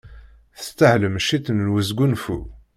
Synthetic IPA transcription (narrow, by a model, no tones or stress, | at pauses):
θə̥st̪ːəhləmʃit̪ːnnwəzɡunfṵ